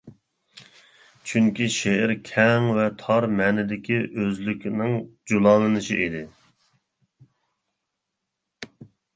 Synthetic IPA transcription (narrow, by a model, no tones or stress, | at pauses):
t͡ʃʰyŋkʲiʃeɪɾkʲʰɛŋvɛt̪ʰɑɾmɛnɪd̪ɪkʲʰiʔøzlykʲnɪŋd͡ʒulˠɑːnɨnɨʃḭʔid̪ɪ